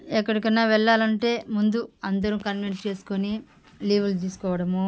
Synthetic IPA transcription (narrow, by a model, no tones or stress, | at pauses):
ɛkːɐɽikɐnːaːʋɛɭːaːlɐɳʈe̞ːmund̪uɐnd̪ɐɾukɐnmenst͡ʃe̞ːsu̥koni | liːʋɐlt̪iːsu̥kɔːʋɐɽɐmu